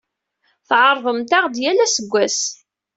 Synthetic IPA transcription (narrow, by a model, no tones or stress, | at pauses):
θʕəɾˤðˤəmt̪ɑʁd̪jælæsəɡʷːæs